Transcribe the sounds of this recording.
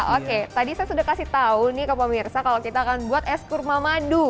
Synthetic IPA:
oket̪adisajasudahkasit̪aunikəpəmirsakalokit̪aːkanbuat̪ɛskurmamadu

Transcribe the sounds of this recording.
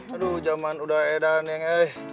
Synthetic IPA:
aɾud͡ʒamanudaedanaŋah

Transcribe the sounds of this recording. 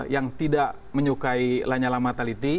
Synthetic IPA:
jaŋt̪idaʔ | məɲukailaɲalamat̪alit̪i

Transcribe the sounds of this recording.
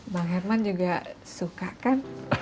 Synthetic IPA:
baŋɛrmand͡ʒuɡasukakan

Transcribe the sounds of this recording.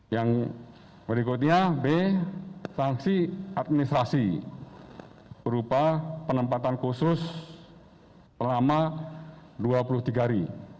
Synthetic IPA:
jaŋ | bəɾikʊt̪̚ɲabe | saŋsiat̪̚minist̪ɾasi | b̥əɾupapənəmpat̪ankusʊs | səlama | duapulʊht̪iɡaɾi

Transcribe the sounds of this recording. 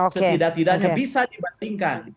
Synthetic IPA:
sət̪idak̚t̪idak̚ɲabisadibandiŋkan

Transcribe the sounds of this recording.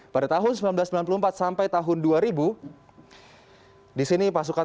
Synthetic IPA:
padat̪aɦʊnsəmbilanblasəmbilanp̬uluəmpat̪̚sampajt̪aɦʊnduaɾibu | disinipasuka

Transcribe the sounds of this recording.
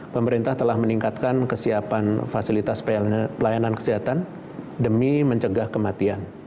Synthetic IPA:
pəməɾint̪aht̪əlahməniŋkat̪̚kankəsiapanfasilit̪asppəlajanankə̥siɦat̪an | dəmiməɲt͡ʃəɡahkəmat̪ian

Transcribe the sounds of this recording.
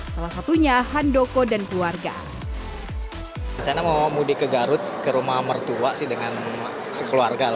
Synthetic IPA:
salasat̪uɲaɦandokodankluarɡa̰ | ɲt͡ʃanamamudikəɡaɾʊt̪̚kəɾumahmərt̪uaʔsɪhdəŋan | səkəluarɡal

